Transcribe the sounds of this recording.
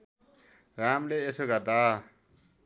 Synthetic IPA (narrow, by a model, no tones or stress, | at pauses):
ramleːsoɡʌrd̪a